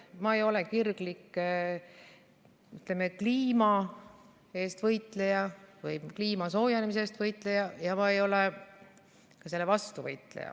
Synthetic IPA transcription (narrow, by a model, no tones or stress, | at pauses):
mɑejo̞le̞kirɡ̥likːˑ | yt̪lemekliːmɑ | e̞ːst̪vɤjt̪le̞jɑvɯjkliːmɑso̞ːjɑnemis̬est̪vɤjt̪ˑle̞jɑjɑmɑejo̞le | kɑse̞lːevɑst̪uvɤjt̪ˑlḛjɑ̰